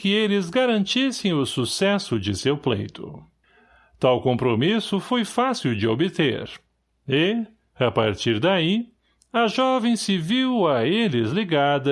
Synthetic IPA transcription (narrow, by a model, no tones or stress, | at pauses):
kɪelɪzɡaɾɐ̃nt͡ʃisẽj̃ʊsusɛsʊd͡ʒɪsewplḛjt̪ʊ̰ | t̪awkõmpɾomisʊfojfasiwd͡ʒɪobɪt̪ḛɾ | ɪ | ɐpa̰ɾt͡ʃiɾd̪ai | ɐʒɔvẽj̃sɪviwɐelɪzliɡad̪ɐ